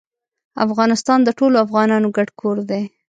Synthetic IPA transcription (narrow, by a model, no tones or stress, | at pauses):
a̰fɣɑnɪst̪ɑnd̪əʈoloafɣɑnɑnoɡaɽkʰoɾd̪e